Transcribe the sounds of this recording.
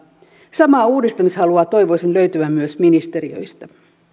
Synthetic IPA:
sɑmɑːuːdist̪ɑmishɑluɑːt̪o̞jʋo̞jsenlø̞ɥt̪yʋæmmyøsminist̪e̞ɾiø̰jst̪æ

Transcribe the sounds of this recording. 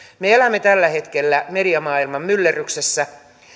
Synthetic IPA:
meelæmːet̪ælːæhe̞t̪kelːæmediɑmɑːilmɑmmylːeryksesːæ

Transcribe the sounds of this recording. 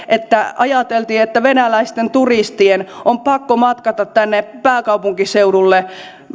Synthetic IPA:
ʔet̪ːæʔɑjɑt̪elt̪iːet̪ːæʋenælæist̪ent̪urist̪ienompɑkːomɑt̪kɑt̪ɑt̪t̪ːænːepæːkɑupuŋkiseuɾulːe

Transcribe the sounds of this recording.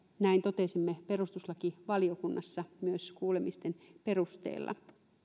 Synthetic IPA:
næint̪o̞t̪e̞simːepe̞rust̪uslɑkiʋɑliokunːɑsːɑmyøskuːlemist̪enpe̞rust̪ḛːlːɑ̰

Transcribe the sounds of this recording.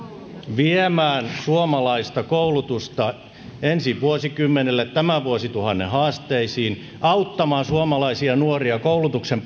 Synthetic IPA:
ʋiemæːnsuomɑlɑist̪ɑkoulut̪ust̪ɑ | ensiʋʋuosikymːenelːet̪tæmæʋuosit̪uhɑnːḛhɑːst̪eisiːn | ɑut̪ːɑmɑːsuomɑlɑisiɑnuoriɑkoulut̪uksemp

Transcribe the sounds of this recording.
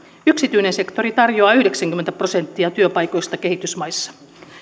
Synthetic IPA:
yksit̪yjnense̞kt̪o̞ɾit̪ɑrjoɑːyhde̞ksæŋkyment̪æprose̞nt̪ːiɑt̪yøpɑjko̞jst̪ɑke̞hit̪ysmɑjsːɑ̥

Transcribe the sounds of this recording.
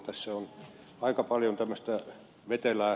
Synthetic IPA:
t̪æsːæon | ɑikɑpɑljont̪æmːøst̪æ | ʋet̪elæː

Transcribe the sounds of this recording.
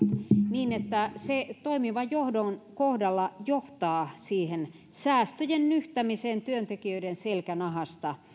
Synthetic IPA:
niːnet̪ːæset̪oimiʋɑjohdoŋkohdɑlːɑjoht̪ɑːsiːhen | sæːst̪øjennyht̪æmiseːnt̪yønt̪ekiøidenselkænɑhɑst̪ɑ

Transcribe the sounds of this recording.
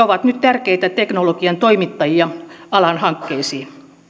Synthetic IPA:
oʋɑt̪nyt̪t̪ærkeit̪æt̪eknolokiɑnt̪oimit̪ːɑjiɑɑlɑnhɑŋkːeisiː

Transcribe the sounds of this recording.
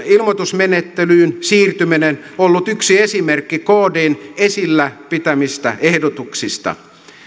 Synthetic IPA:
ilmot̪usmenet̪ːelyːnsiːrt̪yminenolːut̪yksiesimerkːikoːdeːnesilːæpit̪æmist̪æ̰ʔehdot̪uksist̪ɑ̰

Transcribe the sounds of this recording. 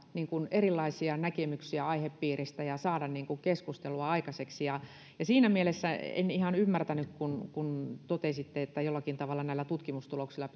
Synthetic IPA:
niːŋkunerilːˑɑisiɑnækemyksiæɑiheppiːrist̪æjɑsɑːdɑnniːŋkuŋkeskust̪eluɑɑikɑseksijɑ | jɑsiːnæmielesːæḛnihɑnymːært̪ænykkunkunt̪ot̪esit̪ːeet̪ːæjolːɑkint̪ɑʋɑlːɑnæilːæt̪ut̪kimust̪uloksilːˑɑ

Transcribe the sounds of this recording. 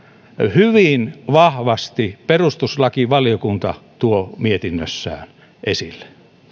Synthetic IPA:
hyʋinʋɑhʋɑst̪iperust̪uslɑkiʋɑljokunt̪ɑ̰t̪uomiet̪inːø̰sːæ̰ːn | ʔesilːe̥

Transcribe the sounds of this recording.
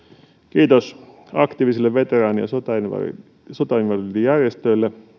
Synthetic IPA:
kiːt̪os | ɑkt̪iːʋisilːeʋʋet̪erɑːnijɑ̰sot̪ɑinʋɑ̰ | sot̪ɑinʋɑrit̪ijærjest̪øilːe

